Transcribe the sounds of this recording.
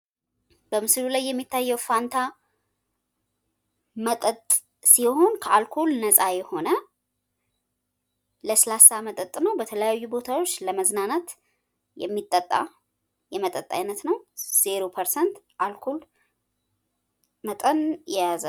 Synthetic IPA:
b̥əmɨslulajːɛmːit̪ʰːajːɛwfant̪ʰa | mət̪ʼət̪ʼ | siho̞nkʰəalkʰolnəsʼajɛho̞nə | ləslasamət̪ʼət̪ʼnəwbət̪ʰələjajːubo̞t̪ʰawo̞t͡ʃːləməznanət̪ | jɛ̰mːit̪ʼːət̪ʼːa̰ | jɛmət̪ʼət̪ʼːa̰jnət̪nəwz̥eɾo̞pʰəɾsɛnt̪ | ʔalkʰol | mət̪ʼənjɛjazə

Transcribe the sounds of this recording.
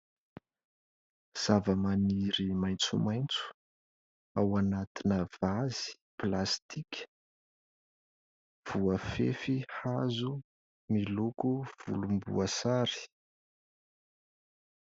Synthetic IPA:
z̥avəmaniɾimajnt͡sumajnt͡su̥ | awanat̪inəvazi̥ | plast̪ikʲʰə̥ | v̥uəfḛfihazu | milukuv̥ṵlumbṵəsaɾi̥

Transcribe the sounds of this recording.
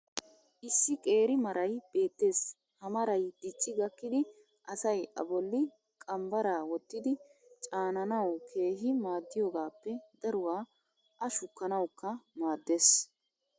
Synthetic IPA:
ʔɪsːɪkʼe̞ːɾɪmɐɾɐjb̥e̞ːt̪ːe̞ːs | hɐmɐɾɐjd̪̥ɪt͡ʃʼːɪɡɐkːɪd̪ɪ | ʔɐsɐjʔɐ̰bɔlːɪ | kʼɐmbɐɾaːwɔt̪ːɪd̪ɪt͡ʃʼaːnɐnɐwkʰe̞ːɦɪmaːd̪ːɪjoːɡaːpːɛd̪ɐɾʊwaː | ʔɐʃʊkːɐnɐwkːɐmaːd̪ːe̞ːs

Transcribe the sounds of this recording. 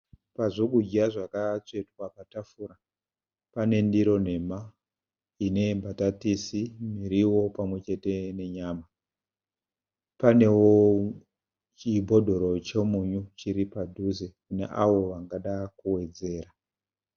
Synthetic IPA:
paʐoɡud͡ʒaʐakat͡se̞twapatafuːɾa | pane̞ndiɾo̞n̤e̞ma | ine̞mbʱatatisimiɾiwo̞pamwe̞t͡ʃe̞te̞ne̞ɲaːma | pane̞wo | t͡ʃibʱo̞dʱo̞ɾo̞t͡ʃemuɲut͡ʃiɾipadʱuze̞kune̞̰ʔaʋo̞ʋaŋɡaɗakuwe̞d͡ze̞ːɾa

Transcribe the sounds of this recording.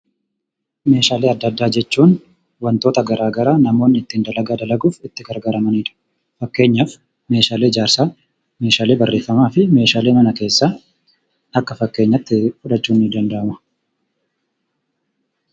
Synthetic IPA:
me̞ːʃaːleːɐd̪ːɐd̪ːaːd͡ʒɛt͡ʃːuːn | wɐnt̪o̞ːt̪ɐɡɐɾaːɡɐɾaːnɐmoːnːɪt̪ːɪnd̪ɐlɐɡad̪ɐlɐɡuːfɪt̪ːɪɡɐɾɡɐɾɐmɐniːᶑɐ̥ | fɐkːe̞ːɲːaːf | me̞ːʃaːle̞ːɪd͡ʒaːɾsaː | me̞ːʃaːle̞ːbɐrːe̞ːfːɐmaːfɪme̞ːʃaːle̞ːmɐnɐke̞ːsːaː | ɐkːɐfɐkːe̞ːɲːɐt̪ːɪfʊᶑɐt͡ʃːuːnːɪd̪ɐnd̪ɐʔɐmɐ̥

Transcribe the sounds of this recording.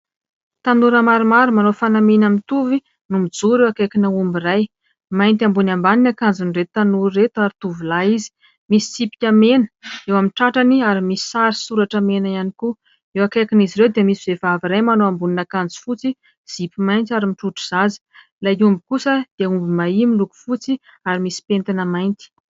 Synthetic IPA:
t̪anuɾəmaɾumaɾumanofanamenamint̪uvi | numid͡zuɾewakekinəumbiraj | majnt̪ambunambaninakand͡zuniret̪ut̪anuɾːet̪uaɾit̪uvilaizi̥ | misi̥t͡sipi̥kʲəmenə̥ewaminʈ͡ʂaʈ͡ʂaniaɾimisi̥saɾisuɾaʈ͡ʂəmenajaniku | ewakekiniziɾewd̪iəmisivefaviɾajmanoambuninakand͡zi̥fut͡si | z̥ipimajnt̪aɾimiʈ͡ʂuʈ͡ʂu̥z̥azi̥ | laumbikusəd̪̥iəumbimaimiluku̥fut͡si | aɾimisi̥pent̪inəmajnt̪i̥

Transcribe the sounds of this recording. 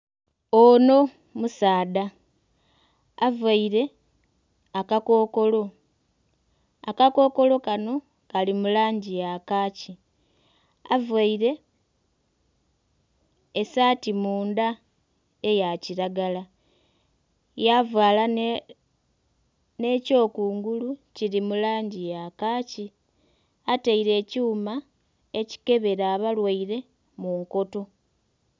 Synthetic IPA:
ono̞ | musaːda | vaiɾe̞ | akako̞ːko̞lo̞ | akako̞ko̞lo̞kano̞ | kalimulaːɲɟijakaːci | avwaiɾe̞ | saːtimuːnd̪a | ejaciɾaɡala | javwaːla | ne̞ːco̞ːkuːŋɡuluciɾimulaːɲɟijakaːci | ataiɾe̞ːcuːma | e̞ci̥ke̞βe̞ɾaːβalwaiɾe̞ | muŋko̞to̞

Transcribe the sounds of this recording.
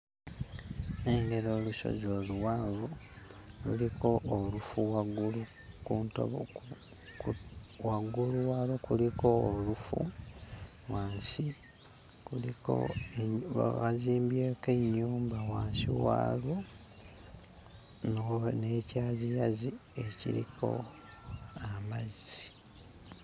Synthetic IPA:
eŋɡe̞ɾoːluʃo̞̰zoːluwaːvo | lṵliko̞ʔːlufuwaɡulu | kuːnto̰βo̰ | waɡuluwaːlokuliko̞ːlufṵ | waːnsi | kuliko̰eβaziːmbjeːkeɲːuːmbawaːnsiwa̰ːlo | nonecaːzijazie̞cḭlḭkʰo̞̰ | amazii

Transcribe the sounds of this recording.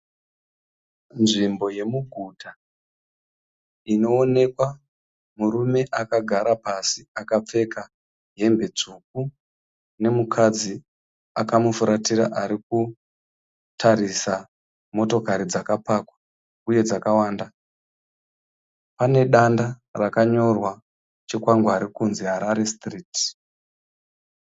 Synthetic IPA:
nʐimbo̞je̞muɡʱutʰa | ino̞ːne̞kwa | murume̞ʔakaɡʱaɾapasiakap͡fe̞ka | ɦe̞mbe̞d͡zuk̚u | ne̞mukʰad͡zi | akamufuɾatiɾa̰ʔaɾik̚u | tʰaɾisa | mo̞to̞kaɾid͡zakapaːkwḁ | uje̞d͡zakawaːnda | pane̞ɗandarakaɲo̞rwa | t͡ʃikwaŋɡoaɾikunziɦaɾaɾestriːt

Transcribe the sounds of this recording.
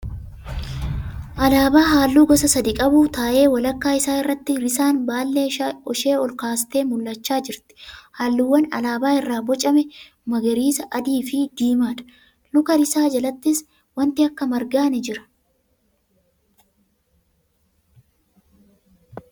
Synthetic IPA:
ʔɐlaːbaːɦaːlːuːɡɔsɐsɐd̪ɪkʼɐbuːt̪aːʔe̞ːwɐlɐkːaːɪsaːɪrːɐt̪ːɪɾɪsaːnbaːlːe̞ːɔʃe̞ːɔlkaːst̪e̞ːmʊlːɐt͡ʃːaːd͡ʒɪɾt̪ɪ̥haːlːuːwːɐnɐ̰laːbaːɪrːaːbɔt͡ʃʼɐmɛ | mɐɡɐɾiːsɐʔɐd̪iːfɪd̪iːmaːᶑ̪ɐ̥ | nʊkɐɾɪsaːd͡ʒɐlɐt̪ːɪs | wɐnt̪ɪɐkːɐmɐɾɡaːnɪd͡ʒɪɾɐ̥

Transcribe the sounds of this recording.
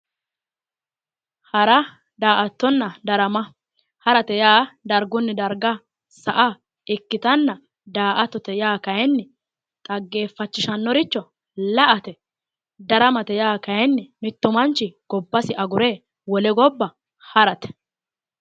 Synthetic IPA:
hɐɾɐ | d̪aːʔɐt̪ːɔnːɐd̪ɐɾɐmɐ | hɐɾɐt̪ɛjaːd̪ɐɾɡʊnːɛd̪ɐɾɡa | sɐʔa | ɪkːɪt̪ɐnːɐ | d̪aːʔɐt̪ːɔt̪ɛjaːkɐjɛnːɛ | t̪ʼɐɡːe̞ːfːɐt͡ʃːɪʃɐnːɔɾɪt͡ʃːɔ | lɐʔɐt̪ɛ | d̪ɐɾɐmɐt̪ɛjaːkɐjɛnːɛmɪt̪ːʊmɐnt͡ʃːɪɡ̥ɔbːɐsɪʔɐɡʊɾeː | wɔlɛɡɔbːɐ | hɐɾɐt̪ɛ̥

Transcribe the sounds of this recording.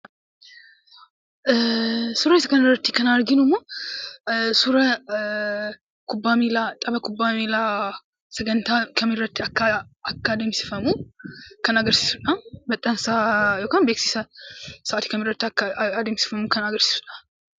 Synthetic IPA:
sʊɾɐɪsɐkɐnɪɾːɐt̪ːɪkɐnaɾɡɪnʊmːoː | sʊɾɐ | kʊbːaːmiːlat̪ʼɐbɐkʊbːaːmila | sɐɡɐnt̪akʰɐmɪrːɐt̪ːɪɐkːɐɐkːad̪emsɪ̥fɐmukɐnɐɡɐɾsi̥ːsʊᶑɐbɐt̪ʼːɐnsajoːkanbeksiːsɐsɐʔːt̪i̥kɐmɪɾːɐt̪ːɐːd̪emsɪ̥fɐmukɐnɐɡɐɾsi̥ːsʊ̥ᶑɐ̥

